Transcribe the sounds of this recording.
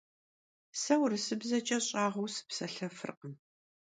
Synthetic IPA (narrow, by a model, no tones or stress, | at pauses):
sɐwrɨsɨbzɐt͡ʃʼɐɕʼaːʁɐwsɨ̥psɐɬɐfɨ̰rqən